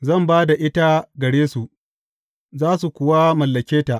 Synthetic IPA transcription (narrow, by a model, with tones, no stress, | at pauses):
zɐ˦˨mbaː˦da˨ʔɪ˦ta˦ɡɐ˨ɽeː˦su˨ʔ | zaː˦su˨kʷʊ˨wa˦mɐ˨lːɐ˨kʲeː˦ta˨ʔ